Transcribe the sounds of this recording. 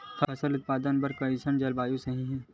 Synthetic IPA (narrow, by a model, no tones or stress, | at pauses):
fʰɐɐsəlʊt̪̚paːd̪ənbɐɾkɐisənd͡ʒɐlbaːjõsɐɦĩɦɛː